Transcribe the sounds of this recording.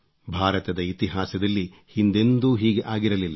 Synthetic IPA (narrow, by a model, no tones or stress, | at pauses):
bʱaːɾɐt̪ɐd̪ɐit̪iɦaːsɐd̪ɐlːi | hind̪e̞nd̪uːɦiːɡe̞ʔaːɡiɾɐlilːɐ